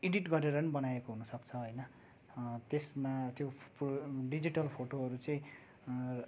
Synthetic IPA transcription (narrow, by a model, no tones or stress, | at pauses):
iɖiʈɡʌɾeɾʌnibʌnajekoɦunʌsʌkt͡sʰʌɦojnʌ | t̪esmat̪jopɖid͡ziʈʌlpʰoʈoɦʌɾut͡sʌĩ